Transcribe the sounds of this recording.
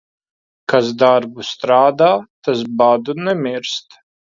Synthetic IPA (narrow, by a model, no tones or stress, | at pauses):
kas̬d̪aɾbust̪ɾaːd̪aːt̪asbaːd̪unɛmʲiɾst̪